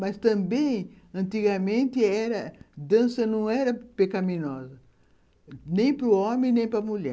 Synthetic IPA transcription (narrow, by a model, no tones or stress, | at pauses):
mɐst̪ɐ̃mbẽj̃ | ɐ̃nt̪iɡɐmẽnt̪ɪɛɾɐd̪ɐ̃sɐnɐ̃w̃ɛɾɐpekɐmĩnɔzɐ | nẽj̃pɾʊomẽj̃nẽj̃pɾɐmuʎɛ̰